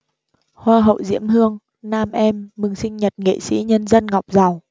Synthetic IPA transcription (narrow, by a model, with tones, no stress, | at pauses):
hwaː˧ɦə̰˧˨wzḭ˧˥əmhɨ˧əŋ | naː˧mʔɛ˧mːɨ˨˩ŋsï˧ŋ̟ɲə˨˩t̚ŋḛ˧˨sḭ˧˥ɲə˧nzə˧nŋɔ˨˩wk͡p̚za˨˩w